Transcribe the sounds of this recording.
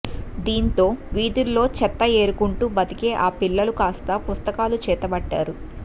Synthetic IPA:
d̪iːnt̪o̞ːʋiːd̪uɾlo̞ːt͡ʃɛt̪ːɐe̞ːɾukuɳʈuːbɐt̪ike̞ːʔaːpilːɐlukaːst̪ɐpust̪ɐkaːlut͡ʃɛːt̪ɐbɐɖːa̰ːɾu

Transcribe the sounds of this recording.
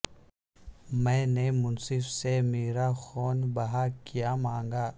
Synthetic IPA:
mɛ̃ːnemʊnsɪfsemeːɾaxɔːnbɐɦakijamãːŋɡaː

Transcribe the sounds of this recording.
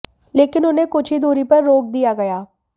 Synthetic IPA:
leːkɪnʊnekʊt͡ʃʰid̪oːɾipɐɾːoːk̚d̪ijaɡɐjaː

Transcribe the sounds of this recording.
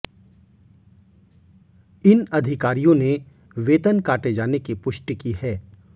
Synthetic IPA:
ɪnɐd̪ʱɪkaːɾijõne | ʋeːt̪ənkaːʈed͡ʒaːnekipʊʃʈikihɛː

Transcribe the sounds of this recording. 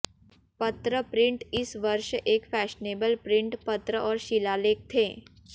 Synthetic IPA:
pɐt̪ɾəpɾɪ̃ɳʈɪsʋɐɾʃeːkfɛːʃneːbəlpɾɪ̃ɳʈpɐt̪ɾəʔɔːɾʃɪlaːleːk̚t̪ʰeː

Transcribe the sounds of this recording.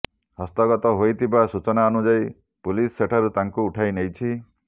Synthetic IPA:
hʌst̪ɔɡɔt̪ɔɦojt̪ʰibasut͡ʃɔnaɔnud͡ʒaj | pulisːeʈʰaɾut̪aŋkuːʈʰajnejt͡ʃʰi

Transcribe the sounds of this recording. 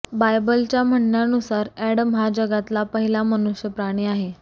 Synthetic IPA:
bajbəlt͡ɕjam̤əɳːjanusaɾɛɽəmɦad͡ʑəɡat̪lapəɦilamənuɕjəpɾaɽ̃iːaɦe

